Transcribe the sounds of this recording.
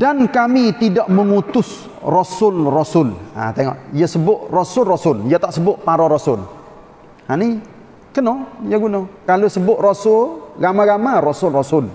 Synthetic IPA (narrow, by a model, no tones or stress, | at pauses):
d̥ankamit̪idaʔməŋut̪ʊs | rosʊlrosʊla̰t̪eŋɔ̰ʔjasəbʊʔrosʊlrosʊljat̪aʔsəbʊʔpaɾoɾosʊl | hani | kənojaɡunokalosəbʊʔrosʊlɡamaɡamarosʊlrosʊl